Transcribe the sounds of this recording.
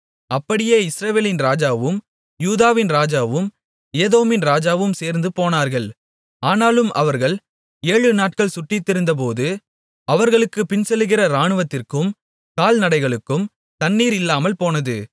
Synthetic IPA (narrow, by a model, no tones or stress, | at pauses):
ɐpːɐɽɪjeːɪsɾɐʋeːlɪnɾaːd͡ʒaːʋɯm | juːðaːʋɪnɾaːd͡ʒaːʋɯm | eːðoːmɪnɾaːd͡ʒaːʋɯmseːɾnd̪ɯpoːnaːɾɣɐɭ | aːnaːlɯmʔɐʋɐɾɣɐɭ | eːɻɯnaːʈ̚kɐɭsʊʈːɪt̪ːɪɾɯnd̪ɐp̬oːðɯ | ɐʋɐɾɣɐɭɯkːɯpɪnsɛlːɯɣɪrɐɾaːɳɯʋɐt̪ːɪrkɯm | kaːlnɐɽɐɪɣɐɭɯkːɯm | t̪ɐnːiːɾɪlːaːmɐlpoːnɐðɯ